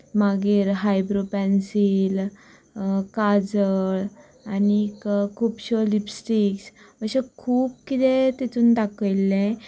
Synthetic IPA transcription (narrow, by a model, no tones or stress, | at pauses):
maɡiːɾɦajbɾopɛnsil | kad͡zəɭ | anikkʰuːpɕolipsʈiksəɕekʰuːp̚kit̪et̪et̪uːnd̪akəlːɛ̃